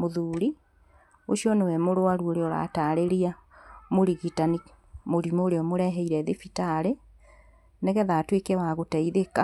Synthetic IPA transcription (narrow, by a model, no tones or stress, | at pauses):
moðuɾi | oʃiɔnewɛmoɾoaɾuoɾeɔɾa̰ːtaːɾeɾiamoɾiɣitani | moɾimoːɾeɔmoɾɛɦɛiɾɛðefitaɾe | neɣɛðatwekɛwaɣotɛiðeka